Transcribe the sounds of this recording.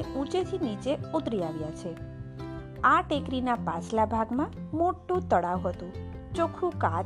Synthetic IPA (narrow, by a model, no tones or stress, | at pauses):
eũt͡ʃet̪ʰinit͡ʃeut̪ɾiaʋjat͡ʃʰe | aʈekɾinapaslabʱaɡmã | moʈːũt̪əɽawɦət̪ũ | t͡ʃokʰɾũka